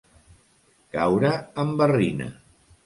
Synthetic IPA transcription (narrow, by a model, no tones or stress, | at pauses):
kawɾəəmbərinə̰